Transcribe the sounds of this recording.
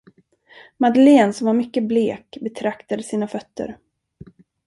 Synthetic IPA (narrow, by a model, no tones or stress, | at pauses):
mad̪əleːnsɔmvaɾmʏkːəbleːkbɛt̪ʰɾakt̪ad̪əsiːnafœt̪ːə̰ɾ